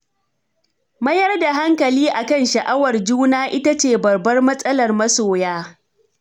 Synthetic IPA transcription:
mɐ˦jɐ˦rda˨ɦa˦ŋkɐ˨liː˦ʔa˨kɐ˦nʃɐ˨ʔa˦wɐ˨rd͡ʒuː˦naː˦ʔɪ˦ta˦t͡ʃeː˨bɐ˨rbɐ˦rmɐ˦sʼɐ˦lɐ˨rmɐ˦soː˨jaː˦

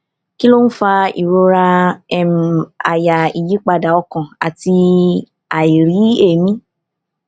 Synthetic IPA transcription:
ki˦lo˦n̩˦fa˧ḭ˨ɾo˧ɾa˧ɛ˨m˨a̰˨ja˨i˨ji˨˦k͡pa˧da˨ɔ˧kã˨a˨ti˧ | a˨i˨ɾi˨˦e˦˨mĩ˦

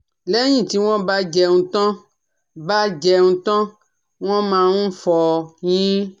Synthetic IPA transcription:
lɛ˦j̃ĩ˦˨ti˨˦w̃ɔ̃˦ba˦d͡ʒɛ˧nũ˧tɔ̃˦ | ba˦d͡ʒɛ˧nũ˧tɔ̃˦ | w̃ɔ̃˦mãː˧nũ˦fɔ˧j̃ĩ˦

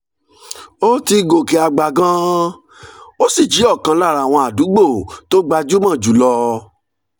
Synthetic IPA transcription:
o˦ti˧ɡo˨ke˨a˨ɡ͡ba˨ɡã˦ | o˦si˦˨d͡ʒi˨˦ɔ˦˨kã˧la˦˨ɾa˨w̃ɔ̃˧a˨du˨˦ɡ͡bo˦˨to˦ɡ͡ba˧d͡ʒu˦mã˦˨d͡ʒu˨˦lɔ˧

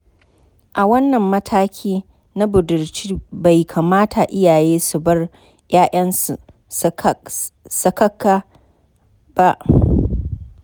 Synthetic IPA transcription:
ʔa˨wɐ˦nːɐ˨mːɐ˦tʰaː˦kʲʰiː˦ | na˦bʊ˨dʊ˨rt͡ʃiː˦ba˨jkʰa˨maː˦tʰa˨ʔɪ˦jaː˨jeː˦su˨bɐ˦r | jaː˦ʔɐ˦nsu˨ | sɐ˨kɐ˦kːaː˦ | ba˦ʔ

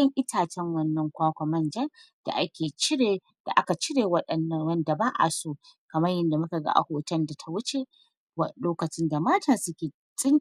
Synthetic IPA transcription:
ɐ˦ŋʔɪ˦tʰaː˨t͡ʃɛ˦ŋwɐ˦nːɐ˨˦ŋkʷaː˦kʷa˨mɐ˦nd͡ʒɐ˦n | d̥a̰˨ʔa˦kʲeː˨t͡ʃɪ˦ɽe˨ | d̥a̰˨ʔa˦ka˨t͡ʃɪ˦ɽeː˨wɐ˦ɗɐ˨nːɐ˨wɐ˦nda˨baː˦ʔa̰˨soː˦kɐ˨mɐ˦rjɐ˦nda˨mʊ˦ka˨ɡa̰˦ʔa̰˨hoː˨tɐ˦nda˨tʰa˨wʊ˦t͡ʃe˦ | wɐ˦loː˦kɐ˨t͡ʃɪ˦nda˨maː˦tʰaː˨sʊ˦kʲeː˨ | t͡sʼɪ˦n

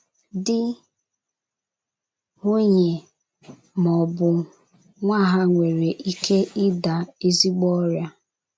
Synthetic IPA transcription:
dɪ˦ | ŋo˦ɲe˨ | mɔ˨bʊ˨ | ŋʷa˦˨ɦa˦ŋʷe˨ɾe˨ʔi˦kʰe˦ʔɪ˦da˨e˦zi˦ɡ͡bɔ˦ɾja˦

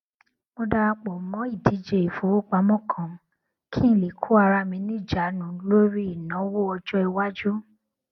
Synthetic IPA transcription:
mo˧da˧ɾa˧k͡po˨˦mɔ̃˨˦i˦˨di˨˦d͡ʒe˧˨i˨fo˨˦o˦˨k͡pa˨˦mɔ̃˦kʰã˨ | kʰi˦˨le˨kʰu˦a˧ɾa˧mĩ˧˦nĩ˦˨d͡ʒa˨˦nũ˨˦lo˦ɾi˦i˦˨nã˨˦wo˦ɔ˧d͡ʒɔ˦i˧wa˦d͡ʒu˦

